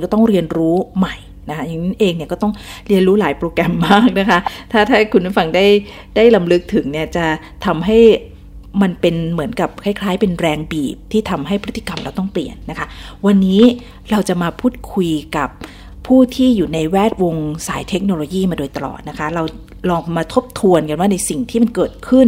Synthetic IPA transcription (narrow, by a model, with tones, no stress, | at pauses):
kɔː˥˩t̪ɔ˥˩ŋɾi˧ənɾuː˦˥ma˨˩j | na˦˥kʰa˦˥ja˨˩ŋ˦˥ʔeː˧ŋni˥˩kɔː˥˩t̪ɔ˥˩ŋɾi˧ənɾuː˦˥laː˩˦jpɾoː˧kɾɛ˧mːaː˥˩k̚na˦˥kʰa˦˥t̪ʰaː˥˩t̪ʰaː˥˩kʰu˧npa˦˥˩fa˧ŋdaː˥˩j | daː˥˩jla˧mlɯ˦˥k̚t̪ʰɯ˩˦ŋni˥˩ɐt͡ɕa˨˩ | t̪ʰa˧mɦa˥˩j | ma˧npe˧nmɯ˩˦ənka˨˩p̚kʰa˥˩jkʰlaː˦˥jpe˧nɾɛː˧ŋbiː˨˩p̚t̪ʰiː˥˩t̪ʰa˧mɦa˥˩jpʰt̪ʰːi̥˨ka˧mɾa˧wt̪ɔ˥˩ŋplḭ˨˩ənːa˦˥kʰa˦˥wa˧nːiː˦˥ | ɾa˧wt͡ɕa˨˩maː˧pʰuː˥˩t̪̚kʰu˧jka˨˩p̚ʰː | uː˥˩t̪ʰiː˥˩juː˨˩na˧jwɛː˥˩t̪̚wo˧ŋsaː˩˦jt̪ʰe˦˥k̚no˧loː˧jiː˥˩maː˧doː˧jt̪a˧lɔ̰ː˨˩t̪̚na˦˥kʰa˦˥ɾa˧w | lɔː˧ŋmaː˧t̪ʰo˦˥p̚t̪ʰu˧ənka˧nwaː˥˩na˧jsi˨˩ŋt̪ʰiː˥˩ma˧nkɤː˨˩t̪̚kʰɯ˥˩n